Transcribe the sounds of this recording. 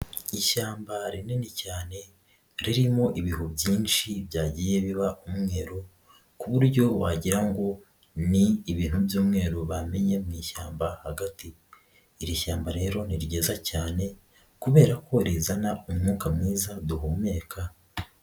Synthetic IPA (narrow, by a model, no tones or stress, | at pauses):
iʃaːmbaɾinenicaːne̞ | ɾiɾimo̞ʔiβiɦubjiːnʃiβjaːɟije̞βiβaʔumŋe̞ːɾo̞ | kuβuɾɟo̞waɟiɾaŋɡo̞ | niːβiːn̥hubjuːmŋe̞ːɾoβame̞ɲe̞mŋiːʃaːmbahaɡatiː | ɾiʃaːmbaɾe̞ːɾo̞niɾɟe̞ːzacaːne̞ | kuβe̞ːɾako̞ɾezanaumŋuːkamŋiːzaduɦume̞kʰa